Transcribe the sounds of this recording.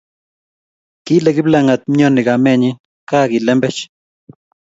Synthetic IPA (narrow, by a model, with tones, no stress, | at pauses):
ki˦le˨ɡi˦bla˦ŋa˨t̪̚mɲo˦ni˨ɡa˨me˦ɲi˦ | ka˦ɡi˨le˦mbɛ˦t͡ʃ